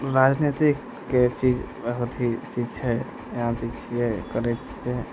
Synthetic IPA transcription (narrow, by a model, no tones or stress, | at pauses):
ɾaːd͡ʒnit̪ikː | et͡ʃid͡ʒ | ʋəɦot̪ɦit͡ʃid͡ʒt͡ʃʰɛ | jɦãt͡ʃit͡ʃʰiɦɛkəɾɛt͡ʃʰiɦɛ